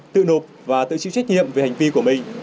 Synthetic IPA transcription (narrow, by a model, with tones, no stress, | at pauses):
t̪ɨ̰˧˨no˨˩p̚vaː˨˩t̪ɨ̰˧˨t͡ɕḭɨ̰˧˨wt͡ɕa˦˥k̟̚ɲḭ˧˨əmve˨˩ha˨˩jŋ̟vi˧ku˧˩əmï˨˩ŋ̟